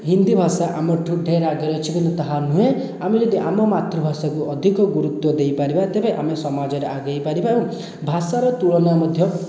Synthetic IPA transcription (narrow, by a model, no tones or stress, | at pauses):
ɦind̪ibʱasaʔamɔʈʰuɖʱeɾaɡeɾɔt͡ʃʰikinɔt̪ɔɦanũɦe | amid͡ʒed̪iʔamɔmat̪ɾɔbʱasakuɔd̪ʱikɔɡuɾut̪ːwɔd̪ejpaɾibaet̪ebeʔamesɔmad͡ʒɔɾeʔaɡejpaɾibaũ | bʱasaɾɔt̪uɭɔnamɔd̪ʱjɔ